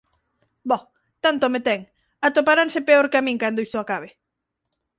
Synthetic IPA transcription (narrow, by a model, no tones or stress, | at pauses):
bɔ | t̪ant̪omet̪ɛŋ | at̪opaɾansepeoɾkamĩŋkand̪oist̪oakaβɪ